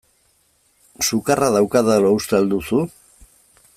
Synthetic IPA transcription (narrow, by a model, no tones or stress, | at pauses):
sukaraðawkaðalowst̪eald̪usu